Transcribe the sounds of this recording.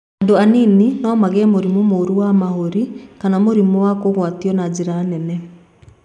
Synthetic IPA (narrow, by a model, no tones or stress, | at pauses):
andoanininɔmaɣɛmoɾimomoɾuwamahoɾikanamoɾimɔwakoɣwatiɔnad͡ʑeɾanɛnɛ